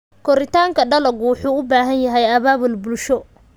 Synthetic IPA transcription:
kʰɔɾɪt̪ʰaːŋkʰɐɖɐlɐɡʊwʊħuːʊbaːɦɐnjɐɦɛjɐβaːβʊlbʊlʃɔ

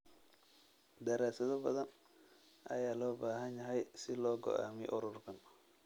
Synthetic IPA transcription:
d̪ɐɾaːsɐðɔbɐðɐn | ʔɐ̰jaːlɔːbaːɦɐnjɐɦɛjsɪlɔːɡɔ̰ʔa̰ːmɛʔɔɾʊrkʰɐn

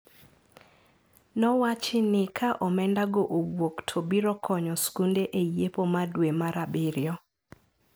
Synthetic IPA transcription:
nɔwat͡ʃɪnɪkʰaʔɔmɛndaɡoʔowoktʰobiɾɔkʰɔɲɔskundeʔejepomadwemaɾabɪɾjɔ

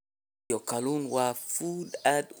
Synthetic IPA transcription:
okalunwafudad̪

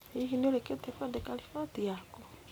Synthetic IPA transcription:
eiɦineoɾeketɛfadekalifatiakɔ

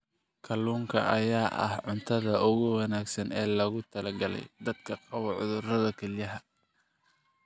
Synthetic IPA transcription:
kʰɐluːŋkʰɐ̰ʔɐ̰jaːʔɐ̰hʕʊnt̪ʰɐðɐʊɣʊwɑnaːɡsɐnɛːlɐɣʊt̪ʰɐlɐɡɐlɛ̰jd̪ɐd̪kʰɐqɑwɐʕʊ̰ðʊrɐðɐkʰɐljɐɦɐ

